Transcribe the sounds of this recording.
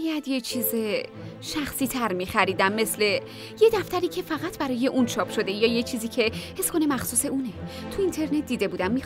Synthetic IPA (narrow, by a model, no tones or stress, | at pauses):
jæd̪jet͡ʃʰiːze | ʃæxsiːt̪ʰæɾmiːxæɾiːd̪æmːe̞sle̞ | jed̪æft̪æɾiːcʰe̞fæɣæt̪ʰbæɾɒːje̞ʔunt͡ʃʰɒːpʰʃo̞d̪e̞jɒːje̞t͡ʃʰiːziːcʰe̞he̞skʰo̞ne̞mæxsuːse̞uːnet̪ʰuint̪ʰe̞ɾne̞t̪̚ʰd̪iːd̪e̞buːd̪æmːi